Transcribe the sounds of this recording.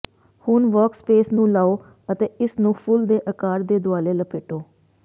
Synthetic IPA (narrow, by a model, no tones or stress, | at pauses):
hʊnʋɔːkspeːsnũːlaːoː | ət̪eːɪsnũːpʰʊld̪eːʔəkaːɾd̪eːd̪ʊaːleːləpɪʈoː